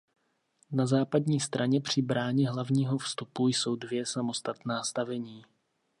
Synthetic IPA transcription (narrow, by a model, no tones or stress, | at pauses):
nazaːpadɲiːst̪ɾʔaɲɛpr̝̥ɪbɾaːɲɛɦlavɲiːɦo̞fst̪upujso̞wdvjɛsamo̞st̪at̪naːst̪avɛɲiː